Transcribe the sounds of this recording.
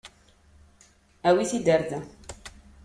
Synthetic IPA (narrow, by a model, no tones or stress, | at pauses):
æwiθid̪əɾð